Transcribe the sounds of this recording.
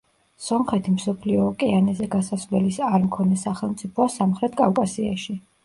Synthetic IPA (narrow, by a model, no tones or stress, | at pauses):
sɔmχɛt̪ʰimsɔpʰliɔːkʼɛanɛzɛɡasasvlɛlisaɾmkʰɔnɛsaχɛlˠmt̪sʼipʰɔasamχɾɛt̪ʰkʼafkʼasia̰ʃi